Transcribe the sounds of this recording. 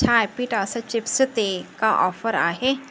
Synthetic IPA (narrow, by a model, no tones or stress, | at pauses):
t͡ʃʰaːjpiʈasɐt͡ʃipsɨt̪ekaʔɔfəɾa̰ɦe